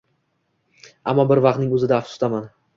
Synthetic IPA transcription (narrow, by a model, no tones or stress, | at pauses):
a̰mːɒbɪɾvɑq̚t̪nɪŋɵzɪd̪aːfʊ̥t̪ʰaman